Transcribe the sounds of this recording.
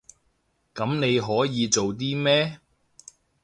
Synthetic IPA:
kɐ˨˥mne˨˧jɦɔː˨˥jiː˨˧t͡so˨wt̪̬iː˥mɛː˥

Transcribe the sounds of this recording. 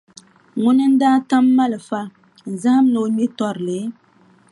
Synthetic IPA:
ŋʊ˦nɨ˦n̩˦daː˦ta˦mːa˦lɨ˨fa˦ | n̩˨za˦ha˦m˦nɨ˨o˦ɲi˦tɔ˦ɾɨ˨lɨ˨˦

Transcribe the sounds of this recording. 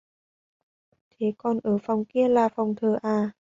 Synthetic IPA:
t̪ʰe˨˦kɔ˨˩nʔəː˧˩fa˨˩wŋ͡mki˧əlaː˨˩fa˨˩wŋ͡mt̪ʰəː˨˩ʔaː˧˩

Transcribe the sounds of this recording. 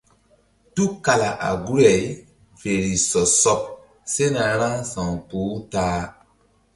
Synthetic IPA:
tu˦ka˨la˨ʔa̰˨ɡu˦ɾɛ˨j | ve˨ɾi˨sɔ˨sɔ˦p̚ | se˦na˨ɾã˦ŋsã˨ŋpoː˨˦taː˦

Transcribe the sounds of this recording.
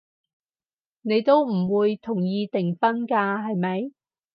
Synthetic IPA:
ne˨˧jt̪o˥wm̩˨˩wuː˨˧jt̪ʰʊ˨˩ŋjiː˧t̪ɪ˨˩ŋfɐ˥nkaː˧ɦɐ˨jmɐ˨˥j

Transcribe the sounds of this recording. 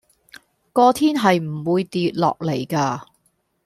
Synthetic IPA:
kɔː˧t̪ʰiː˥nɦɐ˨jm̩˨˩wuː˧jt̪iː˨t̚lɔ̰ː˨k̚le˨˩jkaː˧

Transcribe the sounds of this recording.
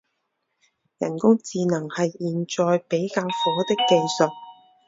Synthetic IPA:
jɐ̰˨˩nkʊ˥ŋt͡siː˧nɐ˨˩ŋhɐ˨jːiː˨nt͡ʃɔː˨jpe˨˥jkaː˧wfɔː˨˥t̪ɪ˥kːe˧jsɵ˨t̚

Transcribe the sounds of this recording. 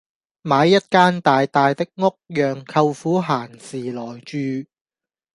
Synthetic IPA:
maː˨˧jːɐ˥t̚kaː˥nt̪aː˨jt̪aː˨jt̪ɪ˥k̚ŋo˥k̚jœː˨ŋkʰɐ˧wfuː˨˥ɦaː˨˩nsiː˨˩lɔː˨˩jt͡ʃyː˨˧

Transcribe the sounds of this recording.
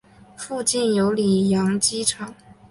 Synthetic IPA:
fu˥˧t͡ɕi˥˩njo˧˥ʊli˨˩jɑ˧˥ŋt͡ɕi˥ʈ͡ʂʰɑ˨˩˦ŋ

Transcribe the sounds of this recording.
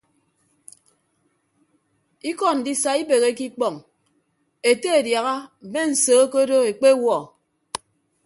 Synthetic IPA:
i˦kɔ˨n̩˨di˦sa˨i˦be˨ɣe˦ki˦k͡pɔ˨ŋ | e˨te˦e˨dja˨ɣa˦m̩˨me˦n̩˨soː˨˦ko˦do˦e˨k͡pe˦wɔ˦˨

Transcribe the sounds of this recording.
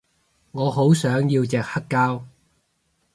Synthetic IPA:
ŋɔː˨˧ɦo˨˥wsœː˨˥ŋjiː˧wt͡sɛː˨k̚hɐ˥kːaː˥w

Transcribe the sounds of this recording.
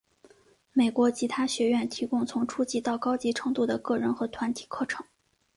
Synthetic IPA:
me˨˩ɪkwɔ˧˥t͡ɕʰi˧˥t̪ʰa˥ɕɥɛ˧˥ɥɛ˥˩nt̪ʰi˧˥kʊ˥ŋt͡sʰʊ˧˥ŋʈ͡ʂʰu˥t͡ɕi˧˥t̪ɑ˥˩ʊkɑ˥ʊt͡ɕi˧˥ʈ͡ʂʰɤ˧˥ŋt̪u˥˩d̪ə˩kɤ˥˩ɻə˧˥nxɤ˧˥t̪ʰwa˧˥nt̪ʰi̥˨˩kʰɤ˥˩ʈ͡ʂʰɤ̥˧˥ŋ

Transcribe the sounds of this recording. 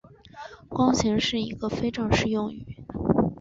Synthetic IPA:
kwɑ˥ŋɕʰi˧˥ŋʂɻ̩˥˩i˧˥ɡə˧fe˥ɪʈ͡ʂɤ˥˩ŋʂɻ̩˥˧jʊ˥˩ŋy̰˨˩˦

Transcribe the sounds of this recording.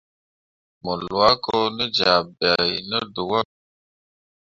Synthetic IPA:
mɔ˨lwa˦ko˦nə˦d͡ʒa˨ba˨jnə˦du˨wa˦

